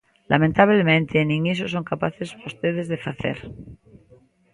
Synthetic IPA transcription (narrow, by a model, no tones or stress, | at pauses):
lʔa̰mẽnt̪aβlemẽnt̪ʰenĩŋisos̬o̞ŋkapaθesost̪eðezðefaθḛɾ